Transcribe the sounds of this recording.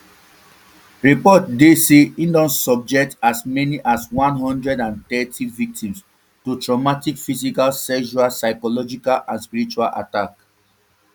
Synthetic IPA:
ɹipɔt̚deseĩndɔ̃nsɔb̚d͡ʒɛk̚tasmɛniʔaswãnɦɔ̃ndɹɛdãnt̪ɛtʰivik̚tĩms | tutɹɔmatikfisikalsɛʃualsaɪkɔlɔd͡ʒikalãnspiɹit͡ʃualʔa̰tak

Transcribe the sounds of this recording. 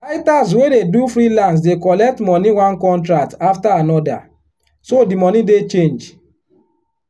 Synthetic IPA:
faɪtas̬wededufɾilãns̬dekɔlɛk̚tmɔniwãnkɔ̃ntɹak̚taftaanɔda̰ | sodimɔnidet͡ʃẽnd͡ʒ

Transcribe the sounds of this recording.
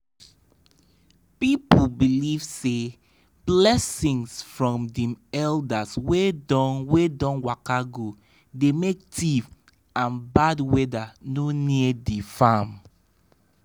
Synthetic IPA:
pipubilivse | b̥lɛsĩŋsfɹɔ̃mdɛ̃mɛldaswedɔwedɔ̃nwakaɡo | demek̚tʰiv | ãnbadwɛdanoniədifam

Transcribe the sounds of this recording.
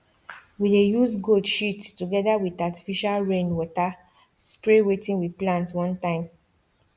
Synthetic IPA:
widejuzɡoldʃitːuɡɛdawidati̥fiʃalɹẽnwɔta | spɹewetĩnwiplãntwɔ̃ntãɪ̃m

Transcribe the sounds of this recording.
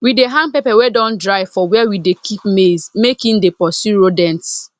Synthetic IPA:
wideɦãnpɛpɛwedɔ̃ndɹaɪfɔwɛɛwidekʰipmezmekĩndepɔsuɹodɛ̃nts

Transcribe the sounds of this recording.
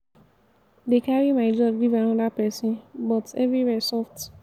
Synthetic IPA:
dekaɹimaɪd͡ʒɔb̚ɡivanɔdapɛsĩbɔtɛvɹiwɛsɔft

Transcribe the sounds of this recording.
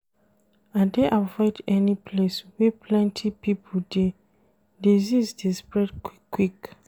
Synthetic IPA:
ãdeʔavɔɪdɛnipʰleswɛpʰlɛ̃ntʰipipʰode | dizizdespɹɛdkwik

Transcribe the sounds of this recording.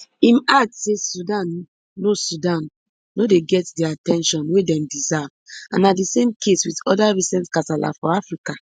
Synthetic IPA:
ĩmasesudãnː | osudãnː | odeɡɛtdɛatɛ̃nʃɔ̃nwedɛ̃mdizavã̰nadisẽmkʰeswitɔdaɹisɛ̃ntkatala̰fɔafɹika

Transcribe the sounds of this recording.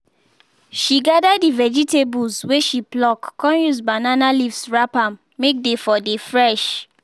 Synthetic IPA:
ʃiɡadadivɛd͡ʒitebulsweʃiblɔkːɔ̃njuzbananalifsɹapãmːek̚defɔdefɹɛʃ

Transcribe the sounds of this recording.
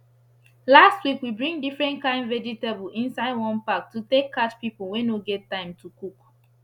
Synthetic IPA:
lastwikwibɹĩŋdifɹɛ̃ntkãɪ̃nvɛd͡ʒitebl̩ʔĩnsaɪdwɔ̃npak̚tːutekʰːatpiplˠwɛ̃noɡɛtːãɪ̃mtʰukuk

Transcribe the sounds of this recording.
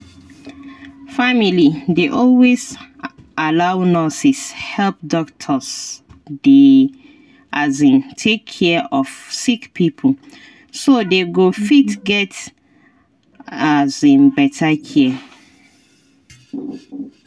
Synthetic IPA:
familideʔɔlwez | ʔalawnɔsishɛlp̚dɔktʰɔsde | ʔazĩntʰekʰːɛɔfsikpʰipʰəl | sodeɡofitɡɛt | azĩnbɛtʰakʰe

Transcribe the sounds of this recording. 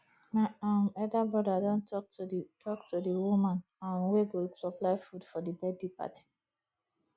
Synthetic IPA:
naãmɛdabɹɔdadɔ̃ntɔk̚tʰɔktʰudiwumãn | ãnweɡosɔplaɪfudfɔdibɛdipa̰tʰi̥

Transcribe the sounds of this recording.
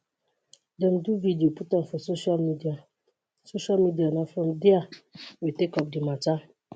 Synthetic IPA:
dɛ̃mduvidioputãnfɔsoʃalmidia | soʃalmidianɔfɾɔ̃mdiawitekɔp̚dimata

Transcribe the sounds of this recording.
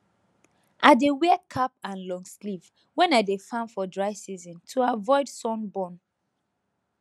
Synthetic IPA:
ʔaɪdewɛkʰap̚ãnlɔ̃ŋsliv | wɛ̃nadefãnfɔdɹaɪsizɔ̃ntʰuavɔɪdsɔ̃nbɔ̃n

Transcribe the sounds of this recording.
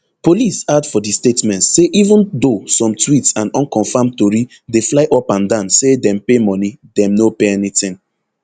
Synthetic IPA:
polisadfɔdistetmɛ̃ntseʔivə̃ndosɔ̃mtwitsãnɔ̃nkɔ̃nfãmtɔɹi | deflaɪʔɔpãndãʊ̃nsedɛ̃mpemɔnidɛ̃mnopeɛnitɪ̃ŋ

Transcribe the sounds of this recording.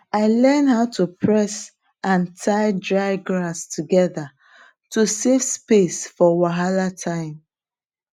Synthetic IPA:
aɪlɛnhaʊtupʰɹɛs | ʔãntʰaɪdɹaɪɡɹastʰuɡɛða | tusevspesfɔwaɦalatʰãɪ̃m

